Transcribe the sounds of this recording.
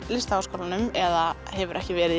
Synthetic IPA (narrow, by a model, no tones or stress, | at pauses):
lɪst̪aaskʰoːwlanʏmɛða | ɦɛvʏɾʔɛhcɪvɛːɾɪ